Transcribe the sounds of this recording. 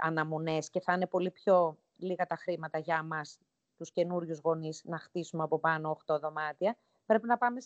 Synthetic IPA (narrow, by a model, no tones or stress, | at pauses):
ɐ̰nɐmone̞sce̞θɐne̞po̞lipço̞ | liɣɐt̪ɐxɾimɐt̪ɐʝɐmɐs | t̪usce̞nuɾʝuzɣo̞niznɐxt̪isumeɐpo̞pɐno̞ːxt̪o̞ðo̞mɐt̪iɐ | pɾe̞pinɐpɐme̞s